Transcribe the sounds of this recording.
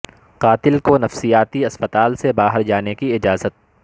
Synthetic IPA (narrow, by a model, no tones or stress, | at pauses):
qaːt̪ɪlkonɐfsijaːt̪iɐspət̪aːlsebaːɦəɾd͡ʒaːnekiɪd͡ʒaːzət̪̚